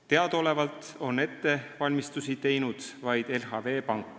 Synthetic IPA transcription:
t̪e̞ɑd̪̥o̞le̞vɑlt̪ˑ | o̞ne̞t̪ːe̞vɑlʲmist̪usit̪e̞jnud̪̥vɑjd̪̥e̞lɦɑve̞ːpɑŋkːˑ

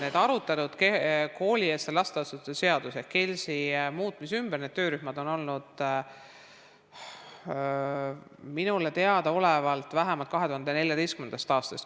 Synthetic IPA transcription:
ne̞ːd̪ɑɾut̪ːˑɑt̪ud̪̥keko̞ːlʲie̞ːst̪elɑst̪eɑst̪ut̪ːse̞ɑd̪̥useke̞lʲsimuːt̪ːˑmisymb̥erne̞d̪t̪øːɾyhmɑd̪̥o̞nolnud̪̥ | minule̞t̪e̞ɑd̪̥ɑo̞levɑlt̪ːˑvæɦæmɑlt̪kɑɦe̞t̪uhɑnd̪ene̞lʲjɑd̪ejstkymend̪ɑst̪ɑːst̪ɑst̪

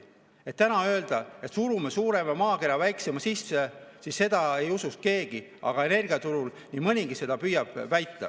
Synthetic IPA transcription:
e̞t̪ːænɑø̞ld̪̥ɑe̞t̪suɾumesuːɾe̞mɑmɑːke̞ɾɑvæjksemɑsisːesisːe̞d̪̥ɑe̞jusust̪̚ke̞ːɡ̥i | ʔɑ̰ɡ̥ɑe̞ne̞rɡ̥iɑt̪uɾul | nimɯnʲiɡise̞d̪̥ɑpyjɑb̥væjt̪ːɑ̰

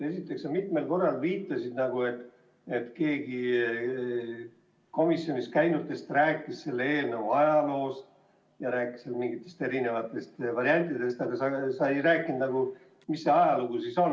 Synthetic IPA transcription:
e̞sit̪ːˑe̞ksɑmit̪me̞lko̞rːɑlviːt̪ːˑɑsid̪nɑɡue̞t̪ːˑ | e̞t̪ke̞ːɡ̥i | ko̞misjo̞nis̚kæjnut̪ːˑe̞st̪ræːkːˑisse̞lːeeːlnəvuɑjɑlo̞ːs | jɑɾæːkːˑi̥selmiŋɡit̪ːˑe̞st̪eɾine̞vɑt̪ːˑe̞st̪vɑɾiɑnʲt̪ːˑid̪e̞st̪ɑɡ̥ɑsɑsɑejjræːkːˑind̪nɑɡu | misːeɑjɑluɡ̥usiso̞n

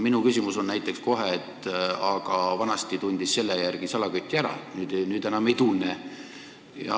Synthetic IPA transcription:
minukysʲimuso̞nnæjt̪ːˑe̞ksko̞ɦeet̪ːˑɑɡ̥ɑvɑnɑst̪it̪unʲd̪̥isːe̞lːejærɡ̥isɑlɑɡyt̪ːˑiæɾɑ̰nyːd̪̥nyːd̪enɑmejt̪ulne | jɑ̰

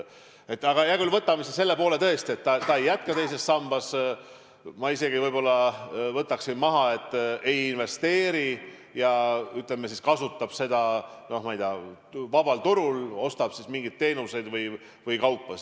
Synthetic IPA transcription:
e̞t̪ːˑɑɡ̥ɑjæɡylvɤt̪ːˑɑmisese̞lːe̞po̞ːle̞t̪ɤ̞e̞st̪ie̞t̪ːɑt̪ɑejːæt̪̚kɑt̪e̞js̬e̞sːɑmb̥ɑs | mɑise̞ɡ̥ivɤjb̥o̞lːɑvɤt̪ːˑɑksinmɑɦɑe̞t̪ːˑe̞jinve̞st̪e̞ːɾi | jɑyt̪lemesiskɑsut̪ːˑɑb̥se̞d̪̥ɑno̞hmɑjd̪eɑ | vɑbɑlt̪uɾulo̞st̪ɑb̥sismiŋɡid̪̥̚t̪ːe̞ːnuse̞jd̪vɤj | vɯjkɑwpːɑs

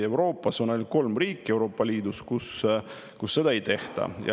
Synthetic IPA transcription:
e̞wɾo̞ːpːˑɑso̞no̞lʲko̞lmriːkːˑie̞wɾo̞ːpːˑɑlʲiːd̪uskus | kusːe̞d̪ɑe̞jt̪e̞ht̪ɑ̰jɑ̰

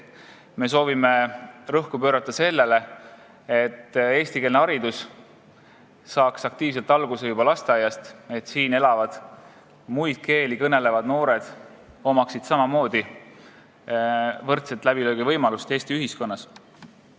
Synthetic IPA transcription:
me̞so̞ːvime̞rɤhkupøːɾɑt̪ːˑɑse̞lːe̞le̞ | e̞t̪ːe̞ːst̪ike̞lneɑɾid̪us | sɑːksɑk̚t̪iːvse̞lt̪ˑɑlɡ̥usejubɑlɑst̪eɑjɑst̪e̞t̪ːˑsiːne̞lɑvɑd̪̥ | mujd̪̥̚ke̞ːlikɤne̞le̞vɑd̪̥no̞ːɾe̞d̪̥ | o̞mɑksid̪̥sɑmɑmo̞ːd̪̥i | vɤrt̪set̪ːˑlæb̥iløːɡ̥ivɤjmɑlust̪e̞ːst̪iyɦisko̞nːɑs

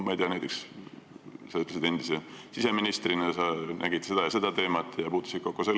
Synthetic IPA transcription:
mɑejt̪eɑnæjt̪ːˑeks | sɑyt̪lesid̪e̞nd̪̥isesise̞minist̪rinɑsɑnʔæ̰ɡ̥id̪̥se̞d̪̥ɑjɑse̞d̪̥ɑt̪e̞ːmɑt̪ːˑjɑpuːt̪ːˑu̥sit̪̚ko̞kːˑuselː

